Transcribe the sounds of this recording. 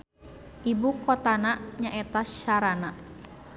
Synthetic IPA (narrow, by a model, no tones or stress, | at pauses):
ʔibukɔt̪anaʔɲaʔɛt̪aʃaɾanaʔ